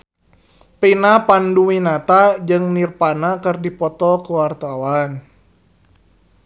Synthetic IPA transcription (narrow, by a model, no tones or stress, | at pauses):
pinapanduwinat̪ad͡ʒɨŋnirpanakɨrdipɔt̪ɔkəwart̪awan